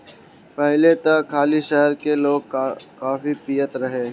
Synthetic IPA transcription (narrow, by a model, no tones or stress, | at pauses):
pɛɦlet̪əkʰaːliʃɛɦəɾkeloːɡ̚kaːfipijət̪ɾɐɦe